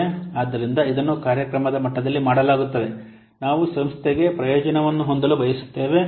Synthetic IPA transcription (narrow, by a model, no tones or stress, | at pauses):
aːd̪ːɐɾind̪ɐid̪ɐnːukaːɾjɐkɾɐmɐd̪ɐmɐʈːɐd̪ɐlːimaːɽɐlaːɡut̪ːɐd̪e̞ | naːʋusɐmst̪ʰeɡe̞pɾɐjoːd͡ʒɐnɐʋɐnːuɦo̞nd̪ɐlubɐjɐsu̥t̪ːe̞ːʋe̞